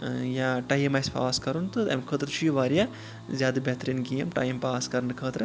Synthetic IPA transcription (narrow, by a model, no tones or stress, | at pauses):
jaːʈɐjɐmɐjspa̰ːskɐɾunt̪ɨt̪ɐ̰mkʰəːt̪ɾt͡ʃʰujuʋaːɾja | zʲjaːd̪ɐbʲet̪ɾiːnɡijɐmʈɐ̰ːjɐmpaːskɐɾɐɳɨkʰəːt̪ɾɨ